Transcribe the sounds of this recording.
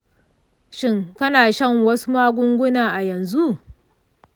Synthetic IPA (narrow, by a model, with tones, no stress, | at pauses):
ʃɪ˦˨ŋkɐ˦naː˨ʃɐ˦˨ŋwɐ˦su˦maː˦ɡʷʊ˦ŋɡʷʊ˦naː˨ʔa˨jɐ˨nzu˦ʔ